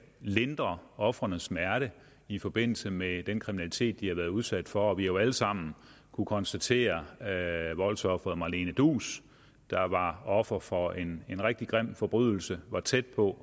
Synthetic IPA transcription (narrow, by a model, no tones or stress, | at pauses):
le̝nd̥ʁɐɒ̽fʁɐnəsmæɐɾ̥ə | ifɒ̽b̥e̝n̰l̩səmed̥enkʰʁiminælit͡sʰe̝̰ːd̥̚ːihɑ̈ʋæɐð̞ˠuð̞ˠsæd̥fɒæʋijo̝æləsɑ̈m̰n̩ | kʰukʰɒ̽nsd̥æt͡sʰe̝̰ːɐ | ʋɒ̽lsɒ̽fʁɐð̩ˠmɑ̈le̝ːnəd̥ṵːs | d̥ɑ̈ʋɑ̈ɒ̽fʁɐfɒ̽enenʁeɡ̥̚d̥iɡ̥ʁem̰̥fɒ̽b̥ʁyðˠl̩səʋɑ̈t͡sʰed̥̚pʰɒ̽